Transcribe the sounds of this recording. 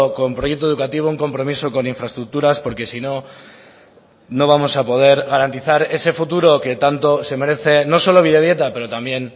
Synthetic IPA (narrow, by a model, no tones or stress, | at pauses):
ko̞mpɾojek̚t̪o̞ð̞ukat̪iβouŋko̞mpɾo̞miso̞ko̞niɱfɾaest̪ɾuk̚t̪uɾaspo̞ɾke̞sino̞ | no̞β̞amo̞sapo̞ðe̞ɾɣaɾant̪iθaɾe̞se̞fut̪uɾo̞ke̞t̪ant̪o̞se̞me̞ɾe̞θe̞no̞so̞lo̞β̞iðeðje̞t̪ape̞ɾo̞t̪ambje̞n